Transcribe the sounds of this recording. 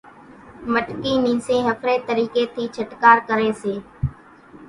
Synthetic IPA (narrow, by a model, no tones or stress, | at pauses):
məʈkiːnĩːsẽːɦəkʰɾeːt̪əɾiːkeːt̪ʰiːt͡ʃʰəʈkaːɾkəɾeːseː